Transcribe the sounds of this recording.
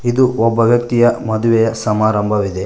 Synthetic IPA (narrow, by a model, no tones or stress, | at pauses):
id̪uɔbːɐʋjɐk̚t̪ijɐmɐd̪uʋɛjɐsɐmaːɾɐmbʱɐʋid̪e̞